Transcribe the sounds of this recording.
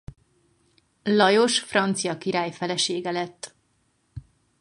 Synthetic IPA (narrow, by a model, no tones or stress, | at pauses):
lɒjo̞ʃfrɒnt̪sijɒkiɾaːjfɛlɛʃeːɡɛlɛt̪ː